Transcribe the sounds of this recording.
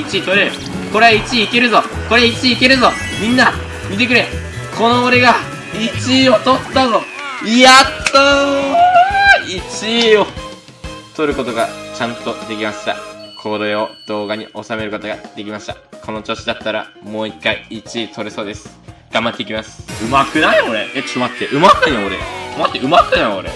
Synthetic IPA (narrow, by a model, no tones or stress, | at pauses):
it͡ɕit̪o̞ɾe̞ɾɯ̟ | ko̞ɾe̞ait͡ɕiːke̞ɾɯ̟zo̞ko̞ɾe̞it͡ɕiːke̞ɾɯ̟zo̞ | mʲĩnːa | mʲit̪̬e̞k̬ɯ̟ɾe̞ | kʰo̞no̞ːɾe̞ɡa | it͡ɕio̞t̪o̞t̪ːazo̞at̪ːo | it͡ɕio̞ | t̪o̞ɾɯ̟ko̞t̪o̞ɡat͡ɕãnt̪o̞d̪e̞kʲimaɕi̥t̪a̰kʰoɾoeo̞d̪̥o̞ːɡaɲ̟iʔo̞same̞ɾɯ̟kot̪o̞ɡad̪̥e̞kʲimaɕi̥t̪a̰kʰo̞no̞t͡ɕo̞ːɕid̪at̪ːaɾa̰mo̞ːikːaiːt͡ɕit̪ʰo̞ɾɯ̟so̞ːd̪e̞sɨ̥ | ɡ̥ãmbat̪ːeikʲimasɨ̥ɯ̟makɯ̟naioɾeet͡ɕimat̪ːeʔɯ̟mat̪ːãooɾe̞̰ɡa̰ɯmat̪ːeɯ̟makɯnajoɾḛ